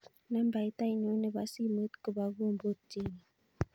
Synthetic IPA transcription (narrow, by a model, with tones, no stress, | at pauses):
na˦m˦ba˨i˦ta˦i˨n˨o˨˦nə˨ba˨si˦mə˦tkə˨ba˨ɡo˦˨m̩˨bo˦˨ti˦ni˨